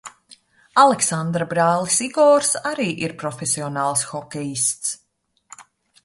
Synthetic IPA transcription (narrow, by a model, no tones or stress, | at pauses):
alˠɛksand̪ɾabɾaːlˠisiɡɔːɾsaɾiːʔiɾpɾɔfesiɔnaːlˠsxɔkʲɛjist̪s